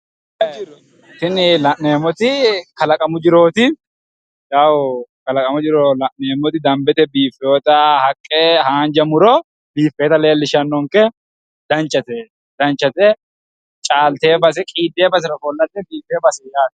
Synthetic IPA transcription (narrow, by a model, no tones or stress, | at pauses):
tːɪnɪlɐʔneːmːɔt̪ɪkɐlɐkʼɐmʊd͡ʒɪɾo̞ːt̪ɪ | jɐwkɐlɐkʼɐmʊd͡ʒɪɾolɐʔneːmːɔt̪ɪd̪ɐmbɛt̪ɛbiːfːɛɔt̪ɐhɐkʼːehaːnd͡ʒɐmʊɾɔ | biːfːe̞ːt̪ɐle̞ːlːɪʃɐnːɔŋkɛ | d̪̥ɐnt͡ʃʼːɐt̪ɛ | d̪̥ɐnt͡ʃʼːɐt̪ɛ | t͡ʃʼaːlt̪e̞ːbɐs̬ɛkʼiːd̪ːe̞ːbɐs̬ɪɾɔfɔlːɐt̪ːɛnbiːfːeːbɐsɛjaːt̪